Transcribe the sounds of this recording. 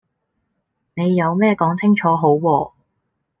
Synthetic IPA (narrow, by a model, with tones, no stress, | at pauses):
ne˨˧jːɐ˨˧wmɛː˥kɔː˨˥ŋt͡sʰɪ˥ŋt͡ʃʰɔː˨˥ɦo˨˥wwɔː˧